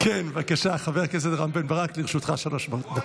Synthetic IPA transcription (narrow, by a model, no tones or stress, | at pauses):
kʰenvakaʃaχaveʁkezed̪ʁambenbaʁakliʁeʃut̪χa̰ʃaloʃboda